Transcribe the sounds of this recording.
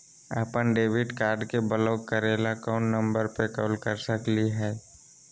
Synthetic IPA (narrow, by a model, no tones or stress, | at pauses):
a̰ːpənɖeːʋɪɖkaːɾɖkebələʊkəɾelakɔːnːə̃mbəɾpekɔːlkəɾsəkliɦɛː